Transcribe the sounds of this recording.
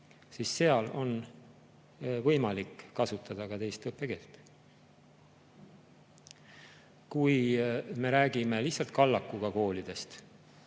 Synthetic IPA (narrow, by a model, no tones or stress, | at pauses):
sisːe̞ɑlo̞n | vɤjmɑlikːɑsut̪ːˑɑd̪̥ɑkɑt̪e̞jst̪ɤpːˑe̞ke̞ːlt̪ːˑ | kujme̞ɾæːɡ̥ime̞liçsɑlt̪̚kɑlːɑkːˑuɡ̥ɑko̞ːlid̪̥e̞st̪